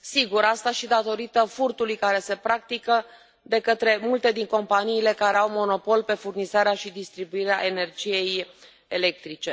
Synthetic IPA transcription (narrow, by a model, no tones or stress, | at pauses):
siɡuɾast̪aʃid̪at̪o̞ɾit̪əfurt̪ulujkaɾe̞se̞pɾak̚t̪ikə | d̪e̞kət̪ɾe̞mult̪e̞d̪iŋko̞mpaniːle̞kaɾe̞awmo̞no̞po̞lpe̞furnizaɾeaʃid̪ist̪ɾibuiɾeaʔe̞ne̞rd͡ʒije̞j | ele̞k̚t̪ɾit͡ʃe̞